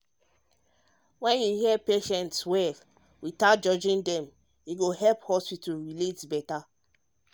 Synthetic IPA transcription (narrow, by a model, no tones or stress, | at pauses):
wɛ̃njuhiɛpeʃɛ̃ntswɛf | witat̚d͡ʒɔd͡ʒĩndɛ̃m | iɡohɛlphɔspitulɹiletbɛta